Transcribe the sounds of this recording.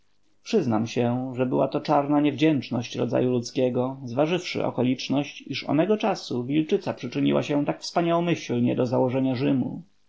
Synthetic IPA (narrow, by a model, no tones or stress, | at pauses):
pʂɘznamɕɛʐɛbɘ̰wat̪ɔt͡ʂaɾnaɲɛvd͡ʑɛnt͡ʂnɔɕt͡ɕɾɔ̰za̰julut̪skʲɛɡɔzvaʐɘfʂɘ̰ʔɔ̰kɔlʲit͡ʂnɔɕt͡ɕiʂɔ̰mɛɡɔt͡ʂasuvʲilt͡ʂɘt̪sapʂɘt͡ʂɘɲḭwʔa̰ɕɛt̪akfspaɲawɔmɘɕlɲɛ̰d̪ɔzawɔʐɛɲaʐɘmṵ